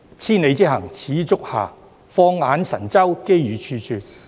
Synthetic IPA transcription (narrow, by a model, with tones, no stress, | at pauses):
t͡sʰiː˥ne˨˧jt͡si˥hɐ˨˩ŋt͡sʰiː˨˥t͡sʊ˥k̚ha̰ː˨˩ | fɔː˧ŋaː˨˧nsɐ˨˩nt͡sɐ˥wke˥jɥyː˨˧t͡ʃʰyː˧sʰyː˧t̚